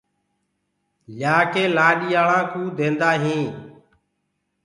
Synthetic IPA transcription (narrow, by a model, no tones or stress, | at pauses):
ʎaːkeːlaːɗiːjaːlãːkũːd̪ʱẽːnd̪aːɦĩː